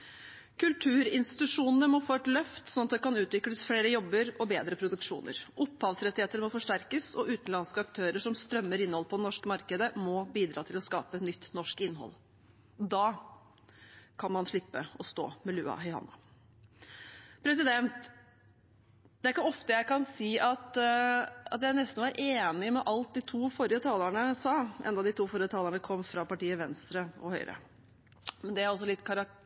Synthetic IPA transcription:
kʰʉlt̪ʰʉːɾɪnst̪ɪt̪ʉʂuːnənəmɔfoʈlœft̪sɔnɑt̪d̪ɛkɑnʉːt̪ʋɪkləsfɽeːɾəjɔbːəɾɔbeːd̪ɾəpʰɾʊd̪ʉkʂuːnə̰ɾʔʊpːhɑːʋsɾɛt̪ːɪheːt̪əɾmɔfɔʂʈæɾkəsɔʔʉːt̪n̩lɑnskəɑk̚t̪ʰøːɾəʂɔmst̪ɾœmːəɾɪnːəhɔləpʰɔd̪ɛnɔʂkmɑɾkəd̪əmɔbiːd̪ɾɑːt̪ʰɪlɔskɑ̰ːpəɛt̪nʏt̪ːnɔʂkɪnːɦɔ̰l | d̪ɑː | kʰɑnmɑnʂɭɪpːəɔst̪o̰ːmɛlʉːɑ̰ɦɛɪhɑ̰nːɑ | pʰɾɛs̬ɪd̪ɛnt̪ | d̪̥ɛæɾkəɔft̪əjæɪkɑnsiːʔɑt̪ | ɑ̰t̪jæɪnɛst̪n̩ʋɑɾʔeːnɪmɛʔɑlt̪̚d̪ɪt̪ʰuːfɔɾɪət̪ʰɑːləɳəsɑːʔɛ̰nd̪ɑd̪ɪt̪ʰuːfɔɾjət̪ʰɑːləɳəkʰɔmːfɾɑpɑʈiːəʋɛnst̪ɾəɔ̰hœʏɾʔə̰ | mɛnd̪ɛæɾɔs̬ɔlɪt̪ːkʰɑɾɑ

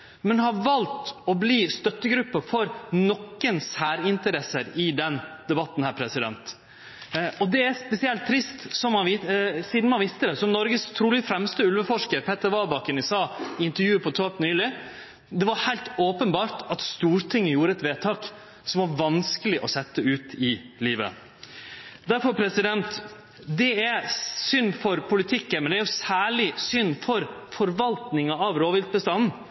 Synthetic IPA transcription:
mɛnhɑɾʋɑlt̪ɔbliːst̪œt̪ːəɡɾʉpːəɾfɔɾnɔkːənsæːɾɪnt̪əɾɛsəɾɪd̪ɛnd̪̥ɛbɑt̪ːn̩hæːɾpʰɾɛsɪd̪ɛ̰nt̪ | ɔd̪ɛæspɛsɪɛlt̪ʰːɾɪst̪sɔmhɑnʋɪsiːd̪n̩mɑnʋɪst̪əd̪ɛsɔmnɔɾɡəst̪ʰɾuːlɪfɾɛmst̪əʉlʋəfɔʂkəɾpʰɛt̪ːəɾʋɑːbɑkənɪsɑːɪnt̪əɾjʉːəpʰɔt̪ʰoːpnyːlɪ | d̪ɛʋɑɾhæɪlt̪oːpənbɑːɾʈɑt̪st̪uːɾt̪ʰɪŋːəjuːɾəɛt̪ʋeːt̪ʰɑːk | sɔmʋɑɾʋɑnskəlɪʔɔsɛt̪ːəʉːt̪ɪliːʋə̰ | d̪æɾfɔɾpʰɾɛsɪd̪ɛnt̪ | d̪ɛæsʏnfɔɾpʰʊlɪt̪ʰɪkːəmɛnd̪ɛæɾjʊsæːɭɪsʏnːfɔɾfɔɾʋɑlt̪nɪŋɑɑʋɾoːʋɪlt̪̚bəst̪ɑnn̩

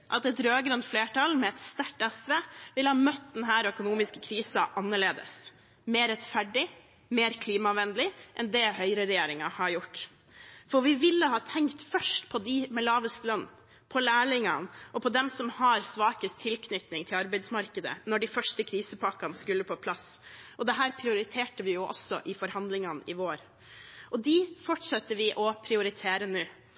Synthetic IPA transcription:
ʔɑt̪ɛt̪ɾøːɡɾʉnt̪fleːʈʰɑlmɛɛt̪st̪æʈːɛsʋeʋɪlhɑːmœt̪ːd̪ɛnɦæːɾœkʊnuːmɪskə̥kʰɾiːsɑʔɑnːəɭeːd̪ə̰s | meːɾɛt̪fæɖɪ | meːɾkʰliːmɑʋɛnd̪lɪʔɛnd̪ɛhœʏɾəɾɛjeːɾɪŋɑhɑɾjʊʈː | fɔʋɪʋɪlːəɦɑːt̪ʰɛŋkt̪fœʂʈpʰɔd̪ɪmɛlɑːʋəst̪lœnː | pʰɔlæːɭɪŋɑnʔɔpʰɔd̪ɛmsɔmhɑɾsʋɑːkəst̪ʰːɪlkʰnʏt̪nɪŋt̪ʰɪlɑɾbæɪd̪smɑɾkəd̪ə̰nɔɖɪfœʂʈəkʰɾiːsəpʰɑkɑnskʉlːəpʰɔpʰlɑsʔɔd̪ɛɦæːɾpʰɾɪʊɾɪt̪ʰeːʈəʋɪjʊʔɔ̰sːɔʔɪfɔɾhɑnd̪lɪŋɑnɪʋoːɾ | ʔɔd̪ifɔʈʂɑt̪ːəʋɪʔɔpʰɾɪʊɾɪt̪ʰeːɾənʉː

